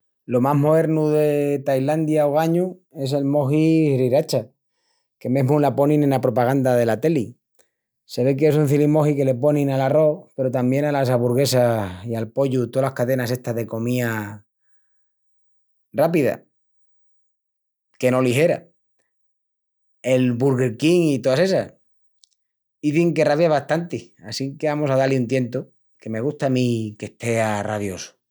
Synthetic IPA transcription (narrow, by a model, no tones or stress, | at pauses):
lo̞maɦmo̞ðe̞ɾnuðe̞t̪ajland̪jaoɣ̞aɲue̞se̞lmo̞xiriɾat͡ʃa | ke̞meɦmulapo̞nĩnenlapɾo̞paɣ̞and̪að̞e̞lat̪e̞li | se̞βe̞k̬esun̟θilimo̞xike̞le̞po̞nĩnalaro̞pe̞ɾo̞t̪ambje̞nalas̬aβuɾɣ̞e̞saialpo̞ʎut̪olahkaðe̞nase̞st̪aɦðe̞ko̞mĩa | rapiða̰ | ke̞no̞liɦe̞ɾa̰ | e̞lβuɾɣe̞ɾkiŋit̪oase̞sa̰s | iθiŋke̞raβjaβast̪ant̪iasiŋkeβamo̞sað̞aliunt̪̬je̞nt̪o | ke̞me̞ɣust̪amĩke̞ht̪e̞araðjo̞su̥